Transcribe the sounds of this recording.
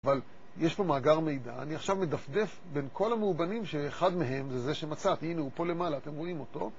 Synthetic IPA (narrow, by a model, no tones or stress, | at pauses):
aval | jeʃpo̞maːɡaʁme̞jda̰ːniaχʃavmed̪afd̪e̞f | be̞nkʰo̞lameubanimʃeːχad̪meɦe̞mzezeʃe̞mat͡sat̪ineupo̞le̞malaːt̪e̞mʁo̞imo̞t̪o̞